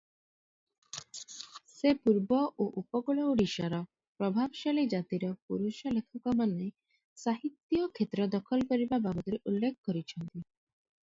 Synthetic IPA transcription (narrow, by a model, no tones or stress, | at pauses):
sepuɾbɔʔoʔupɔɡɔɭɔuɽiʃaɾɔ | pɾɔbʱabɔʃaɭid͡ʒat̪iɾɔpuɾuʃɔlekʰɔkɔmane | saɦit̪ːjɔkʰet̪ɾɔd̪ɔkʰɔlkɔɾibababɔt̪ɔɾeʔulːekʰɔkɔɾit͡ʃʰɔnt̪i